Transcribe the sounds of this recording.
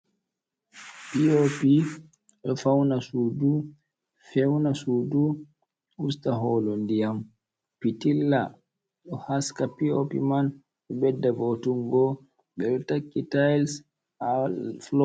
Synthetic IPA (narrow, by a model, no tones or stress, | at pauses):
piopi | ɗɔfawnasuːdu | fɛwnasuːdu | ustaɦɔːlɔndijam | pitilːa | ɗɔhaskapio̰pḭman | ɗɛbɛdːabotuŋɡɔ | ɓɛɗɔtakːitajls | alflɔ